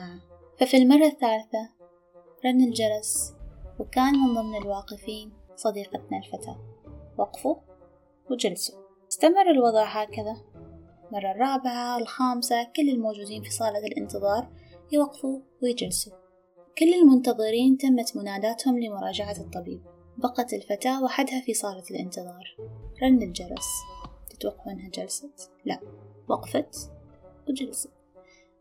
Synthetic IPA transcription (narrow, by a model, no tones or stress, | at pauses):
fafilmɑrˤːɑθːaːlθa | ɾˤɑnːɪld͡ʒɑɾˤɑswkaːnhʊmʊmnɪlwɑːqɨfiːn | sˤɑd̪iːqɑt̪nalfat̪ʰa̰ːwɑqfu | wd͡ʒalsu̥ | ɪst̪amɑrˤːɪlwɑðˤɑːʕɦaːkaða | mɑrˤːɑrˤːɑːbɪʕalxaːmsakɪlːɪlmoːd͡ʒuːd̪iːnfisˤɑːlɑlʔɪ̰nt̪ɨðˤɑːɾˤjwaqfuwɪjd͡ʒalsu | kɪlːɪlmʊnt̪ɑðˤɨɾiːnt̪amːat̪mʊnaːd̪aːt̪hʊmlɪmʊɾˤɑːd͡ʒaʕat̪ˤːɑbḭːb̚ | bɑqɑt̪ɪlfat̪aːwaħad̪hafisˤɑːlɑlʔɪ̰nt̪ɨðˤɑːɾˤɾˤɑndɪld͡ʒɑɾˤɑ̰st̪ɪ̥t̪wɑqːɑɪnhad͡ʒalsat̪la̰ʔwɑqfat̪wd͡ʒalsat̪